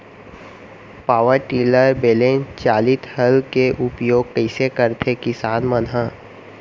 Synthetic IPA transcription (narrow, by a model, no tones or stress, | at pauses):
paːʋəɾʈiːləɾbeːlẽːnt͡ʃaːlɪt̪ʰhəlkeʔʊpjoːɡ̚kəɪsekəɾt̪ʰekɪsaːnmənɦãː